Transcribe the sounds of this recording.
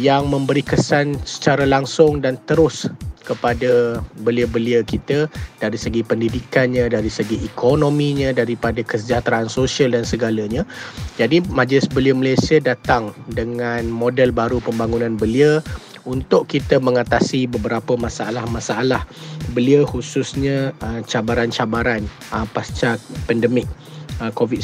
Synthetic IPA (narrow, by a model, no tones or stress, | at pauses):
jaŋmə̃mbəɾikəsansə̥t͡ʃaɾalaŋsʊŋdant̪əɾʊskəpadəbəliəbəliəkit̪əd̥aɾisəɡipəndidikanɲãdaɾisəɡiʔɛkʰonõmĩɲãdaɾipadakəsəd͡ʒat̪ɾaʔansosialdansəɡaləɲãd͡ʒadimãd͡ʒlɪsbəliəməlajsiədat̪aŋdəŋãnmodəlbaɾupəmbaŋunãnbəliə | unt̪ʊʔkit̪əməŋat̪asibəbəɾapəmasaalahmãsaalahbəliəhususɲə̃ət͡ʃabaɾant͡ʃabaɾan | əpast͡ʃapɛndəmɪk̚ | əkovit̚